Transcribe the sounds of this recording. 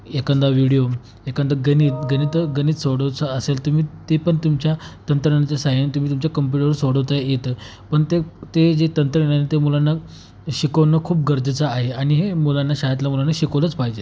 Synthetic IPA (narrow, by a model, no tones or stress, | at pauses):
ekənd̪aʋiɽijo | ekənd̪aɡəniːt̪ɡənit̪əɡəniːt̪soɽəʋt͡səəselt̪um̤iːt̪epəɳt̪umt͡ɕjat̪ənt̪ɾəənat͡ɕjasajənt̪um̤iːt̪umt͡ɕjakəmp̬juʈəɾəsoɽəʋt̪ajet̪ə | pəɳt̪et̪ed͡ʑet̪ənt̪ɾəenanet̪emulanːa | ɕikəʋnːəkʰuːp̚ɡʱəɾd̪ʱət͡saːɦeaɽ̃iɦemulanːaɕajat̪lamulanːaɕikəʋlət͡spaɦid͡ʑe